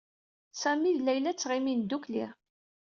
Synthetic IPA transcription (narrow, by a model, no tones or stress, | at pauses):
sæmiðlæjlæt͡sːʁimind̪uklḭʁ